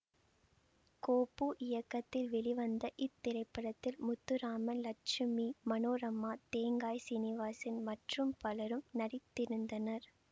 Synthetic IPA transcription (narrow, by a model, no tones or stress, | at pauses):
koːpːuːʔɪjɐkːɐt̪ːɪlʋɛɭɪʋɐnd̪ɐʔɪt̪ːɪɾɐɪpːɐɽɐt̪ːɪlmʊt̪ːɯɾaːmɐnlɐʈ̚t͡ʃɪmimɐnoːɾɐmːaːt̪eːŋɡaːjsɪnɪʋaːsɪnmɐʈrɯmpɐlɐɾɯmnɐɽɪt̪ːɪɾɯnd̪ɐnɐɾ